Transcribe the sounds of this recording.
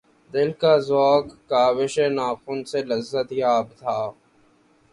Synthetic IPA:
d̪ɪlkaːzoːkːaːwɪʃeːnaːxunselɐzːət̪jaːbt̪ʰaː

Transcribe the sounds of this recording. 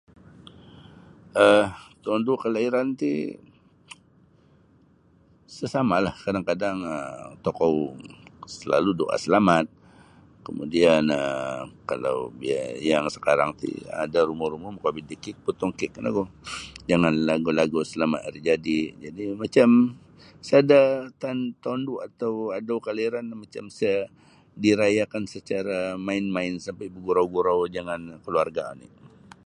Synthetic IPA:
ʔəht̪ɔndukəlaiɾant̪ḭ | səsamalahkadaŋkadaŋət̪okɔw | səla̰ludoʔa̰səlamat̪̚ | kəmṵdianəkala̰wbiajaŋsə̥kaɾaŋt̪ḭa̰daɾumʊhɾumʊmakabidikɪk̪̚put̪ɔŋkɪʔənaɡod͡ʒaŋanlaɡulaɡusəlama̰rid͡ʒadid͡ʒadimat͡ʃam | sadat̪ant̪ɔnduat̪awadawkaliɾanmat͡ʃamsa | diɾajakansət͡ʃaɾamaɪnmaɪnsampajbəɡuɾawɡuɾawd͡ʒaŋankəluarɡaa̰nḭʔ

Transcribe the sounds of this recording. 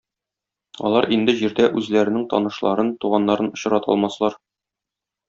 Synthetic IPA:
ɒ̰lˠɑɾʔind̪ɘʑiɾd̪æʔʉzlæɾɘ̆nɘŋt̪ɒ̰nɤ̆ʃlˠɑɾɤnt̪uʁɑnːɑɾɤnŏɕɤ̆ɾɑt̪ʰɒ̰lˠmɑslˠɑɾ

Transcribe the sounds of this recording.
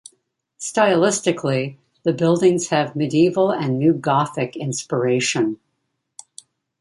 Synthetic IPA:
staɪlɪstɨkʰli | ðɨbɪlˠdɪ̃ŋz̥hɨvmɨdiivl̩ˠɨ̃nːʉɡɑθɨkɪ̃nspə˞eɪʃɨ̃n

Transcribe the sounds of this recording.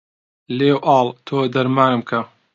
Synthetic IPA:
leːwʔɑːlˠt̪ʰoːd̪ɐɾmaːnɨmkʰɐ

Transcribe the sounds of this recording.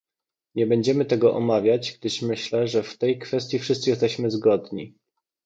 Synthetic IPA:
ɲɛbɛɲd͡ʑɛmɘt̪ɛɡɔʔɔmavʲjad͡ʑɡ̚d̪ɘʂmɘɕlɛʐɛft̪ɛjkfɛst̪ʲjifʂɘst̪sɘjɛst̪ɛɕmɘzɡɔd̪ɲḭ

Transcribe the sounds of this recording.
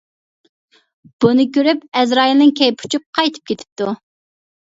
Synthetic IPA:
b̥unɨkʲʰøɾypɛzɾɑːjilˠnɪŋkʲʰɛjpʰu̥t͡ʃʰup̚qʰɑjt̪ʰɨ̥p̚kʲet̪ʰɪ̥p̚t̪ʰu

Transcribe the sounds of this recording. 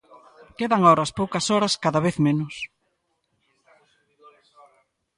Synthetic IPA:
keðɐŋɔɾɐspowkɐsɔɾɐskaðɐβeθmenʊs

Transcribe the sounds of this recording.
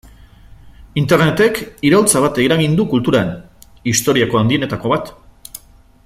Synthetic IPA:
int̪eɾne̞t̪e̞kiɾawlt͡saβ̞at̪eiɾaɣind̪ukult̪uɾan | ist̪o̞ɾiako̞and̪ie̞ne̞t̪ako̞βat̪

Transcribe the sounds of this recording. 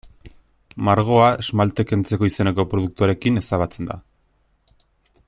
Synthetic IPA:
maɾɣ̞o̞aezmalt̪e̞ke̞nt͡se̞ko̞ise̞ne̞ko̞pɾo̞ð̞uk̚t̪uaɾe̞kine̞st̪aβat͡se̞nd̪a̰

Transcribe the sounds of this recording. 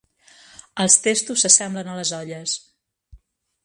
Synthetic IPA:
əlˠst̪est̪usːəsɛmblənələzɔʎəs

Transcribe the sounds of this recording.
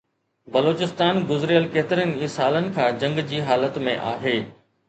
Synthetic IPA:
bɐloːt͡ɕɪst̪aːnɡʊzɾijəlkeːt̪ɪɾənɪ̆iːsaːlənɪ̆kʰãːd͡ʑɐ̃ŋɡd͡ʑiːɦaːlət̪mẽʔa̰ːɦeː

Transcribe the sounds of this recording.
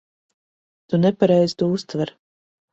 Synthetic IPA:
t̪unɛpaɾɛjz̥t̪uust̪vaɾ

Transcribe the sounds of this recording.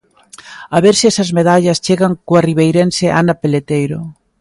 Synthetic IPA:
aβeɾsiɛsɐzmeðaʎɐst͡ʃeɣaŋkoariβejɾenseʔanɐpelet̪ejɾo

